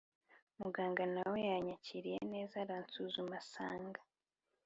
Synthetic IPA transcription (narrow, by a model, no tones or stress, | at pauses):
muɡaːŋɡanawojaɲaciɾijḛne̞ːzaɾant͡suzumasa̰ːŋɡḁ